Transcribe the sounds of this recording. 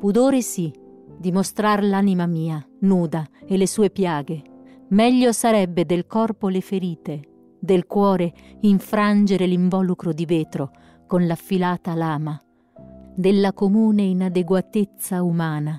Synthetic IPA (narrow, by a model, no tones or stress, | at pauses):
pud̪oːɾesi | d̪imost̪ɾarlanimamiːanuːd̪aelːesuːepjaːɡemɛʎːosaɾɛbːed̪elkɔrpolefeɾiːt̪e | d̪elkwɔːɾeiɱfɾand͡ʒeɾeliɱvɔːlukɾod̪iveːt̪ɾo | konlafːilaːt̪alaːma | d̪elːakomuːneinad̪eɡwat̪et̪sːaumaːna